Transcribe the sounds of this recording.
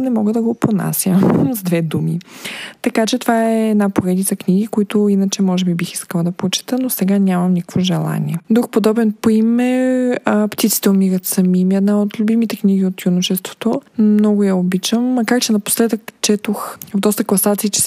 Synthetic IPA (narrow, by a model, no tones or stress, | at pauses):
nɛmɔɡəd̪ɐɡopona̰sʲjəmzd̪vɛd̪umit̪ɐkat͡ʃɛt̪ovaɛːd̪napoɾɛd̪it̪səknʲiɡikoit̪ʊinət͡ʃɛmɔʒɛbibixiskəlˠəd̪ɐpɾot͡ʃi̥t̪ənosɛɡanʲamɐmnʲikəkvoʒɛlˠa̰nʲḭɛd̪ɾuxpod̪ɔbɛnpoimɛ | pt̪it̪si̥t̪ɛomiɾət̪sɐmimiɛd̪naot̪lʲubimit̪ɛkniɡʲiot̪junoʃɛst̪vo̥t̪onɔɡʊjɐobit͡ʃəmːɐkaɾt͡ʃɛnɐpo̥slɛd̪əkt͡ʃɛt̪oxvɐvd̪ɔst̪əklˠɐsat̪siːt͡ʃɛ̥